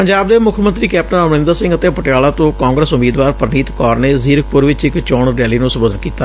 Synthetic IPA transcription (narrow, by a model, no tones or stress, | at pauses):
əɲd͡ʒaːb̚d̪eːmʊkʰmənt̪ɾiːkɛːp̚ʈə̃nəmnɪ̃nd̪əsɪ̃ŋɡət̪eːpəʈjaːlaːt̪õːkãːŋɡɾəsʊmiːd̪ʋaːɾpəɾniːt̪kɔːɾneːziːɾək̚ʰpʊɾʋɪt͡ʃɪkt͡ʃɔːɳɾɛːliːnũːsʊboːd̪nkiːt̪ːaː